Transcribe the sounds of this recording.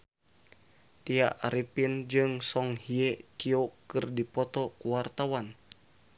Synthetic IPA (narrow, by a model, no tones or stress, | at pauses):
t̪ia̰ʔaɾipind͡ʒɨŋsɔŋhiet͡ʃiokɨrdipɔt̪ɔkuwart̪awan